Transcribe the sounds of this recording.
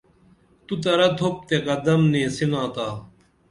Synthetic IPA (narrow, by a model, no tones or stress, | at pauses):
t̪ut̪ɐɾɐd̪ʰʱop̚t̪ekɐd̪ɐmnẽːsinãːt̪aː